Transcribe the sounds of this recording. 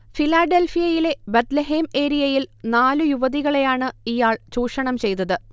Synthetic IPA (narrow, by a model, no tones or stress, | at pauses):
filaːɖelfijɐjile̞bet̪leɦeːme̞ːɾijɐjilnaːlujuʋɐðiɣɐɭe̞jaːɳɨijaːɭt͡ɕuːʂɐɳɐmt͡ɕe̞jt̪ɐðɨ